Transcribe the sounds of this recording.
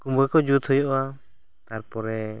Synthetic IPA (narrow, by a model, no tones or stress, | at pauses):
kumbuɛkɔd͡ʒut̪hujɔʔɔa | t̪aɾpɔɾɛ